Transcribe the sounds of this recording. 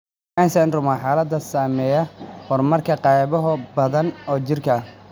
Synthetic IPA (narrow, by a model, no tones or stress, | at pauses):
aːnsɐnrʊmaːħaːlɐd̪ɐsaːmɛːjɐhɔrmɐrkʰɐqɑjβɔɦʊbɐðɐnɔːt͡ʃɪrkʰɐ